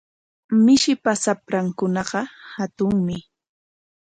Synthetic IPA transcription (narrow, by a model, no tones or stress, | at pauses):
mɪʃɪpasapɾaŋkʊnɑɢɑhat̪ʊŋmɪ